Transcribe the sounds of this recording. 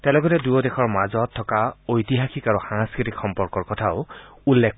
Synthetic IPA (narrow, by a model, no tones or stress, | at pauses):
tɛ̃lɔɡɔtɛdujɔdɛxʰɔɹmazɔtʰːɔkaojtiɦaxikaɹuxaŋskɹitikxɔmpɔɹkɔɹkɔtʰaʊ | ulːek